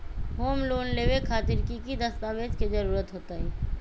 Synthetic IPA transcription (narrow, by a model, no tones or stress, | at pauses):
ɦoːmloːnleːʋekʰaːt̪ɪɾkikid̪ɐst̪aːʋeːd͡ʒkezɐɾuːɾət̪ɦoːt̪aːɦɛː